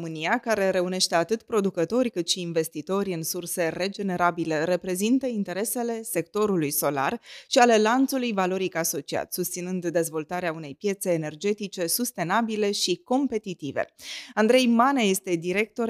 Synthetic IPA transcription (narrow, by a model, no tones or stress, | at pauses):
mɨnijakaɾe̞ɾe̞une̞ʃt̪e̞at̪ɨt̪pɾo̞d̪ukət̪o̞rʲkɨt̪ʃiːnve̞st̪it̪o̞ɾʲɨnsurse̞re̞d͡ʒe̞ne̞ɾabile̞ɾe̞pɾe̞zint̪əint̪e̞ɾe̞se̞le̞se̞k̚t̪o̞ɾulujso̞la̰rʃiale̞lant̪sulujvalo̞ɾikaso̞t͡ʃia̰t̪sust̪sinɨnd̪ːe̞zvo̞lt̪aɾeaune̞jpje̞t̪se̞ːne̞rd͡ʒe̞t̪it͡ʃe̞sust̪e̞nabile̞ʃiko̞mpe̞t̪it̪ivḛand̪ɾe̞jmaneje̞st̪e̞d̪iɾe̞k̚t̪o̞